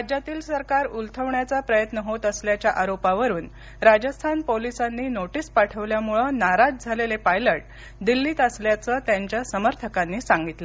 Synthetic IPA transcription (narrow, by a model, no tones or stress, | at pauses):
ad͡ʑjat̪iːlsəɾkaɾult̪ʰəʋɳjat͡sapɾəjət̪nəɦot̪əsljat͡ɕjaʔaɾopaʋəɾuːn | ɾad͡ʑəst̪ʰanpolisanːiːnoʈiːspaʈʰəʋljamuɭənaɾad͡zd͡zʱalelepajləʈ̚ | d̪ilːiːt̪əsljat͡səːt̪jaɲt͡ɕjasəməɾt̪ʰəkanːiːsãŋɡit̪lə